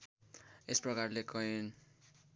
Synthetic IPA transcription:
esprʌkarlekʌin

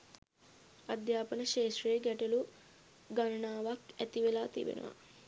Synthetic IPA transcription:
ad̪jaːpənəʃeːʃrɐjeɡɛʈɐlu | ɡanɐnaːʋakæt̪iʋelaːt̪ḭbḛnṵʋa̰

